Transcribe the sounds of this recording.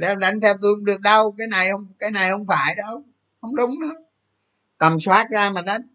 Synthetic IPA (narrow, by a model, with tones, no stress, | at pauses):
lɛ˨˧wɗa˨˦jŋ̟t̪ʰɛ˧wt̪u˧hŋ͡mɗɨ˨˩ək̚ɗə˧wkaː˨˦jna˨˩jhə˧wŋ͡mkaː˨˦jna˨˩jhə˧wŋ͡mfaː˧˩jɗə˧w | hə˧wŋ͡mɗʊ˨˦ŋ͡mɗɨ˧˨˦ | k̪ə˨˩mswaː˦˥t̚zaː˧maː˨˩ɗa˨˦ŋ